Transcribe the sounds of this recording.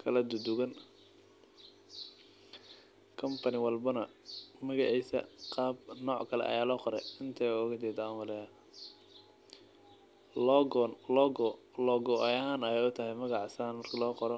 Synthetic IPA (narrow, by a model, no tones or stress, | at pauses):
kʰɐlɐd̪ʊd̪ʊɣɐn | kʰɐmpʰɐnɪwɐlbɐnɐmɐɣɑʕisɐ̰qɑːb̚nɔːʕkʰɐlɛ̰ʔɐ̰jaːlɔːqɔɾɛjɪnt̪ʰɐɔːɣɐt͡ʃ̪ɛːd̪aːnwɐlɛ | lːnlɔɡlɔːɡɔʔjɐɦaːnɐjɛjʊt̪ʰɐɦɛjmɐɣɑʕsɐnmɐrkʰɐlɔːqɔɾɔ